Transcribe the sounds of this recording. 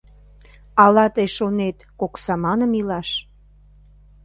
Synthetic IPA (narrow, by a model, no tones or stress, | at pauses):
ɑlɑt̪əjʃonet̪koksɑmɑnəmilɑʃ